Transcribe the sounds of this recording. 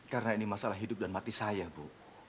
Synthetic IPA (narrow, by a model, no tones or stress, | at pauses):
kaɾənainimasalaɦidʊp̚danmat̪isajabo